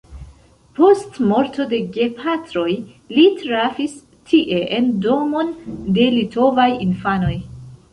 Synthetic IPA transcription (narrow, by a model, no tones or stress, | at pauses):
po̞stmo̞ɾto̞de̞ɡepʰatɾo̞j | litɾavis | tʰiʔe̞ʔendo̞mo̞nde̞lito̞vajinfano̞j